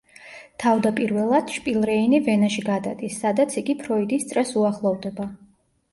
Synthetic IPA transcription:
t̪ʰavd̪apʼiɾvɛlˠad̪̥ʃpʼilˠɾɛinivɛnaʃiɡad̪a̰d̪isːad̪at̪sʰiɡipʰɾɔid̪ist̪sʼɾɛsuaχlˠɔvd̪ɛba

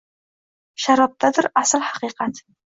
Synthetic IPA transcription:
ʃɐɾɐp̚tʰɐdɨrasɨlħḁqiːqɑtʰ

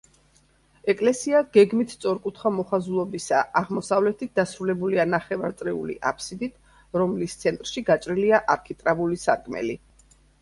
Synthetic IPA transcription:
ɛkʼlɛsiaɡ̥ɛɡmit̪ʰsʼɔɾkʼut̪ʰχamɔχazulˠɔbisa̰ʔːʁmɔsavlɛt̪ʰit̪̚d̪asɾulɛbulianaχɛvaɾt̪sʼɾiṵlḭʔa̰pʰsid̪it̪ʰ | ɾɔmlist̪sʰɛnt̪ʼɾʃiɡat͡ʃʼɾiliaʔaɾkʰit̪ʼɾavulisa̰ɾkʰʼmɛ̰li

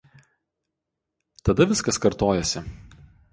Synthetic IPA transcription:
t̪ɐd̪ɐʋʲɪskɐskɐɾt̪oːjɛsʲɪ

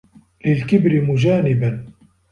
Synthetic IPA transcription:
lɪlkɪbɾɪmʊd͡ʒaːnɪban

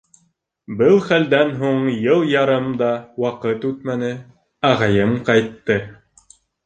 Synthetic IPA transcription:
bɤlˠχæld̪ænɦuɴjɤlˠjɑɾɤmd̪ɑwɑqɤt̪ʉt̪mænɘ | æʁɑjɤmqɑjt̪ːɤ

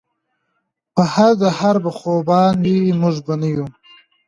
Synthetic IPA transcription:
pəhaɾd̪ahaɾbaxobɑnd̪imʊʐbanəju

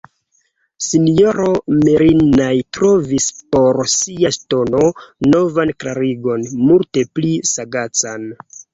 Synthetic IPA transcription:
sinjoɾomeɾinajtɾo̞vispo̞ɾsiasto̞no̞ːo̞vanklaɾiɡo̞nmulte̞plisaɡat͡san

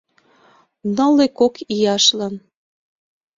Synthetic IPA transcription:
nə̆lekokijɑʃlɑn

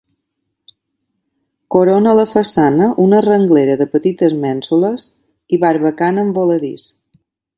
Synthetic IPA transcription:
koɾonələfəsanəʔunərəŋɡleɾəðəpət̪it̪əzmɛnsuləz | iβaɾβəkanəmboləðḭs

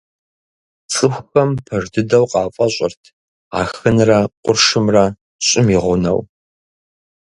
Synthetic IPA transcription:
t͡sʼɨxʷxɐmpʰɐʐdɨdɐwqʼɑːfʼɐɕʼɪrtʰ | a̰ːxɨnrɐqʷʼʊrʂɨmrɐ | ɕʼɪmiʁʷʊnɐ̰w

